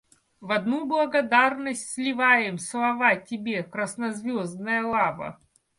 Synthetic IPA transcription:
vɐd̪nublˠɐɡɐd̪arnəsʲtʲsʲlʲɪvajɪmslˠɐvatʲɪbʲekɾəsnɐzvʲozd̪nəjəlˠavə̰

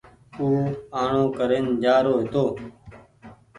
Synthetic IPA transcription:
uːaːɳõːkəɾeːnd͡ʒaːɾoːɦet̪oː

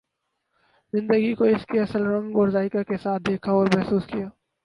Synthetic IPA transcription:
zɪ̃nd̪əɡikoɪskeɐsəlɾɐ̃ŋɡɔːɾzaːɪkakesaːt̪̚d̪eːkʰaɔːɾmɛɦsuːskijaː

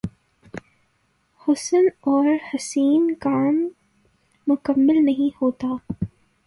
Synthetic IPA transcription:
hʊsənɔːɾhɐsiːnkaːmː | ʊkɐmːɪlnɐɦĩhoːt̪aː

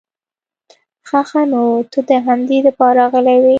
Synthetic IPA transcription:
xaxanot̪ud̪əɦamd̪id̪əpɑɾɑɣəlawi

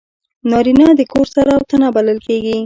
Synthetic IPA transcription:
nɑɾinɑd̪əkoɾsaɾawt̪anabaləlkeɡi

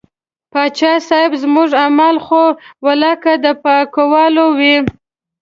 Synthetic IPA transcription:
pɑt͡ʃɑsɑɪbzmuʐamalxowalɑkad̪əpakowɑlowi

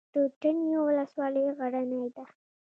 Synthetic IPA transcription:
d̪̥əʈənjowʊləswɑləjɣaɽanajd̪a

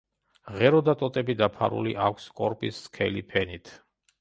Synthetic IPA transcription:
ʁɛɾɔd̪at̪ʼɔt̪ʼɛbid̪apʰa̰ɾṵliʔakʷʰskʼɔɾpʼisːkʰɛlipʰɛnit̪ʰ

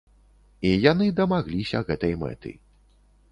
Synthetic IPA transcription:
ijanɨd̪ɐmaɣlʲisʲɐ̰ɣɛt̪ɐjmɛ̰t̪ɨ̰

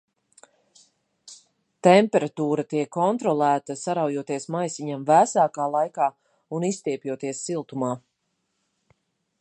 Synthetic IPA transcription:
t̪empɛɾat̪uːɾat̪iɛkʰːɔnt̪ɾɔlˠæːt̪asaɾawjuɔt̪iɛsmajsiɲamvæːsaːkaːlˠajkaː | unist̪iɛpʲjuɔt̪iɛsːilˠt̪umaː

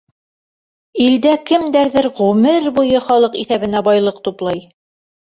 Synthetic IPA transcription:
ild̪ækɘmd̪æɾðɘɾʁʉmɘɾbujɤχɒlˠɤqiθæβɘ̆næbɑjlˠɤqt̪uplˠɑj

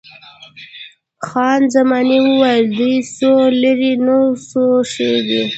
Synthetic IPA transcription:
xɑnzamɑniwəwajld̪ujsolaɾinosoʂewi

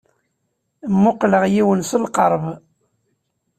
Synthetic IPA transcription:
mːʊqləʁjiwənsəlqəɾˤv

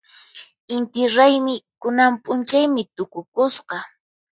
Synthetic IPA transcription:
ɪnt̪ɪɾajmɪkʊnampʼʊnt͡ʃajmɪt̪ʊkʊkʊsqɑ

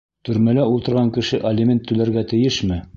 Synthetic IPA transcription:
t̪ɵ̆ɾmælæulˠt̪ɤ̆ɾʁɑŋkɘ̆ʃɘʔɐlʲɪmʲent̪ːɵ̆læɾɡæt̪ɘ̆jɘʃmɘ

